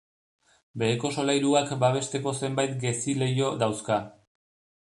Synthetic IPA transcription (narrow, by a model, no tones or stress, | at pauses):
be̞ko̞so̞lajɾuakbaβ̞e̞st̪e̞ko̞se̞mbajt̪ɡe̞sile̞jo̞ðawska